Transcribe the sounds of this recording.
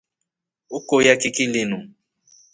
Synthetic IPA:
ʊkojakʼɪkʼilɪnu

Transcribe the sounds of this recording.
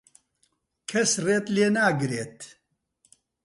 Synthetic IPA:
kʰɛsreːt̪leːnaːɡɨɾeːt̪

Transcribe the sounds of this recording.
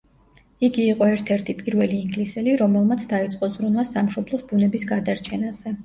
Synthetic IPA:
iɡiːqʼɔɛɾt̪ʰɛɾt̪ʰipʼiɾvɛliːŋɡlisɛliɾɔmɛlˠmat̪sʰd̪ait̪sʼqʼɔzɾunwasamʃɔblˠɔsbunɛbisɡad̪aɾt͡ʃʰɛnaz̥ɛ

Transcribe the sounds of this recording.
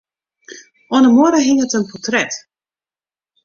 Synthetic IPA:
ʔonəmoəɾəɦɪŋətənpɔtrɛt

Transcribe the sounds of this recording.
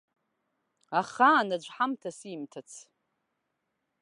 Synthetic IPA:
aχaːnad͡ʒʷħamtʰasimtʰat͡sʰ

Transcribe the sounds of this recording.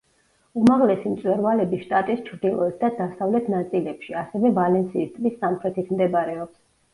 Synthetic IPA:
umaʁlɛsimt̪sʼwɛɾvalɛbiʃt̪ʼat̪ʼist͡ʃʰɾd̪ilˠɔɛt̪̚ʰd̪ad̪asavlɛt̪ʰnat̪sʼilɛpʃiasɛvɛvalɛnsiːst̪ʼmisːamχɾɛt̪ʰit̪ʰmd̪ɛbaɾɛɔps

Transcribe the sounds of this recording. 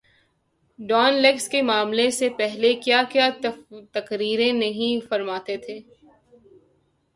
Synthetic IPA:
ɖɔːnlekskemaːmlesepɛɦlekjakjaːt̪ɐkɾiːɾẽnɐɦĩfɐɾmaːt̪et̪ʰeː

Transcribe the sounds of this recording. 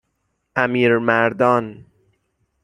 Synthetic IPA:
æmiːɾmæɾd̪ɒːn

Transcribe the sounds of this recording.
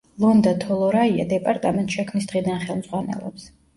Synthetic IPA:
lˠɔnd̪at̪ʰɔlˠɔɾaia̰d̪ɛpʼaɾt̪ʼamɛnt̪ʼʃɛkʰmnisd̪ʁid̪anχɛlˠmzʁwanɛ̰lˠɔ̰ps

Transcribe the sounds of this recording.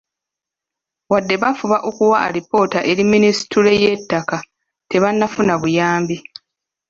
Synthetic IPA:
wadːe̞βafuβaʔo̞kuwaɾipo̞ːtaʔe̞ɾimːinisi̥tule̞je̞tːaka | te̞βanːafunaβujaːmbi

